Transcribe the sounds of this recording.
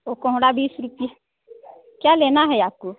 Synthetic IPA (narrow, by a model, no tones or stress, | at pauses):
okõɦũɽabiːsɾupija | kjalenaɦɛjaku